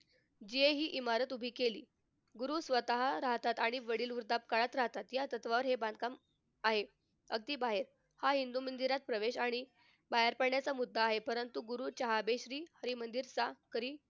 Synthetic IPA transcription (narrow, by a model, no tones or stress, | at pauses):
d͡ʑieɦiːʔimaɾət̪ubʱiːkelḭː | ɡuɾuːsʋət̪aɦaɾaɦt̪at̪aɽ̃iʋəɽiːluɾd̪ap̚kaɭat̪ɾaɦt̪at̪jat̪ət̪ʋaʋəɾɦebãnd̪ʱkam | aɦe | əɡ̚t̪iːbaɦeɾ | haɦind̪umənd̪iɾat̪̚pɾəʋeɕaɽ̃i | baɦəɾpəɽɳjat͡samud̪ʱːaːɦepəɾənt̪uɡuɾuːt͡ɕəɦabeɕɾiːhəɾimənd̪iɾsakəɾiː